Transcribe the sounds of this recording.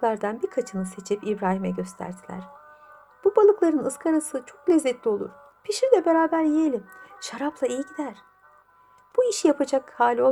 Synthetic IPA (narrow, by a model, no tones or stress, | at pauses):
lˠaɾd̪anbiɾkʰat͡ʃʰɯnɯse̞t͡ʃʰipibɾaːɦimɛɟø̞st̪ʰæ̰ɾd̪ʰilʲæ̰ɾ̥ | b̥ubalˠɯklˠaɾɯnɯskʰaɾasɯt͡ʃʰo̞klʲɛzːɛt̪lʲio̞lˠṵɾ | pʰiʃiɾd̪ʲɛbe̞ɾaːbæɾjijelʲimʃaɾaplˠaejiɟid̪æɾ̥ | b̥uiʃjapʰad͡ʒakhaːlʲo̞